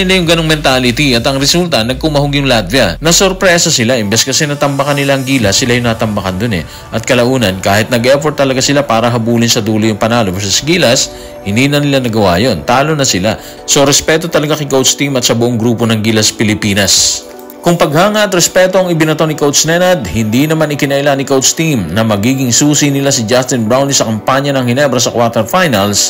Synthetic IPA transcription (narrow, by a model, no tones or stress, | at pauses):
ɪlajʊŋɡɐnoŋmɛnt̪alɪt̪iʔɐt̪ɐŋɾɛsult̪ɐnɐɡ̚kʊmɐɦoɡjʊŋlad̪̚vjɐnɐsoɾpɾɛːsɐsɪlaʔɪmbɛskɐsɛnɐt̪ɐmbɐkɐnːɪlaʔɐŋɡiːlɐsːɪlajʊŋnat̪ɐmbɐkɐnd̪onɛ̰ | ʔɐt̪̚kɐlɐʔuːnɐnkaːhɪt̪̚nɐɡʔɛfoɾt̪ːɐlɐɡasɪlapaːɾɐɦɐbuːlɪnsɐd̪uːlojʊŋpɐnaːlobɪsɛsɐɡiːlɐs | hɪnd̪iːnɐnɪlanɐɡɐwaːjo̞nt̪aːlo̞nɐsɪla | so̞ɾɛspɛt̪o̞t̪ɐlɐɡakɐkowt̪st̪imɐt̪̚sɐbʊʔoŋɡɾuːpo̞nɐŋɡilɐspɪlɪpiːnɐs | kʊŋpɐɡhaːŋɐʔɐt̪ɾɛspɛt̪o̞ɐŋɪbɪnɐt̪onɪikowt̪snɛnɐd̪̚hɪnd̪inɐmanɪkɪnɐʔɪlanɪkowt̪st̪imnɐmɐɡiːɡɪŋsuːsinɪlasɪd͡ʒast̪ɪnbɾawnisɐkɐmpaɲɐnɐŋhɪnɛbɾɐsɐkwaɾt̪ɛɾfajnɐls